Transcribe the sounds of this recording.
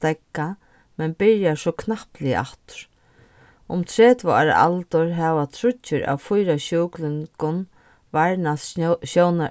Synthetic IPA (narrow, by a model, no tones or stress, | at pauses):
t̪ɛkːa | mɛnpɪɹjasɔkʰnahplɪə̰ʔa̰ht̪ɾ̥ | ʊmt̪ʰɾɛːt̪vʊa̰ɾa̰ʔa̰lt̪ʊɹɦɛʋat̪ʰɾʊt͡ʃːʏɾa̰wfʊjɾaɕuːklɪŋkʊn | vaɹnasɕowna